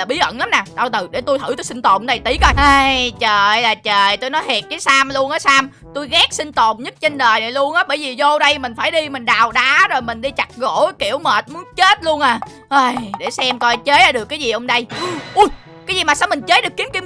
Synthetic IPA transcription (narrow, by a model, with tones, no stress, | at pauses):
laː˨˩ɓi˨˦əʔə̰˧˨nla˨˦mnaː˨˩ɗaː˧˩wt̪ɨ˨˩ɗe˧˩t̪u˧jt̪ʰɨ˧˩t̪u˧jsi˧n̟t̪o˨˩mɗa˧˨˩jt̪i˧˦kə˧jʔaː˧jt͡ɕəː˨˩jlaː˨˩t͡ɕəː˨˩jt̪o˧jnɔ˨˦jɦi˨˩t̚kaː˨˦saː˧mlu˧ənʔəː˨˦saː˧m | t̪u˧jɣɛː˦˥k̚sï˧ŋ̟t̪o˨˩ŋ͡mɲə˦˥t̚t͡ɕe˧nɗəː˨˩jna˨˩jlu˧ənʔaː˨˦ɓəː˧˩jvi˨˩zo˧ɗə˧jmï˨˩ŋ̟faː˧˩jɗi˧mï˨˩ŋ̟ɗaː˨˩wɗaː˨˦zo˨˩jmï˨˩ŋ̟ɗi˧t͡ɕa˨˩k̚ɣo̰˧˥kḭ˧˩əwməː˨˩t̚mu˨˦ənt͡ɕe˦˥t̚lu˧ənʔaː˨˩ | ʔəː˧˩jɗe˧˩sɛ˧mkɔ˧jt͡ɕe˨˦jʔaː˨˧˦ɗɨ˨˩əkːaː˨˦jzi˨˩ʔə˧wŋ͡mɗə˧jʔu˧j | kaː˨˦jzi˨˩maː˨˩saː˧wmï˨˩ŋ̟t͡ɕə˨˦˥ɗɨ˨˩əkːi˨˦əmki˧əm